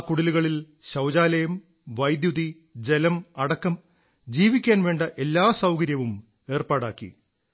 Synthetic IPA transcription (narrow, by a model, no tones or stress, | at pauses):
kːuɽiluɣɐɭil | ɕɐwd͡ʑaːlɐjɐm | ʋɐjd̪juði | d͡ʑe̞lɐmɐɽɐkːɐm | d͡ʑiːʋikʲːaːnʋe̞ːɳɖɐʔe̞lːaːsɐwkɐɾjɐʋum | e̞ːrpaːɽaːkːḭ